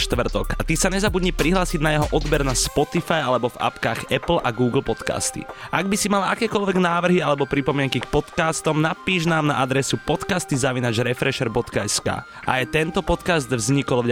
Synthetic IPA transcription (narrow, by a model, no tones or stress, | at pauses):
ʃt̪ʋr̩t̪ɔkat̪isaɲɛzabud̪ɲipɾiɦlaːsiɟnajɛɦɔʔɔd̪bɛɾnaspɔt̪ifajalɛbɔva̰pkaːɣɛpl̩ʔaɡuːɡl̩ˠpɔt̪ka̰st̪ḭʔaɡbisimalakɛːkɔʎʋɛɡnaːʋr̩ɦialɛbɔpɾipɔmɪɛŋkikpɔt̪kaːst̪ɔmnapiːʒnaːmnaʔad̪ɾɛsupɔt̪kast̪izaʋinad͡ʒɾɛfɾɛʃɛɾbɔt̪kaɛska̰ː | ʔa̰ajt̪ɛnt̪ɔpɔt̪kazd̪vzɲikɔlvɟ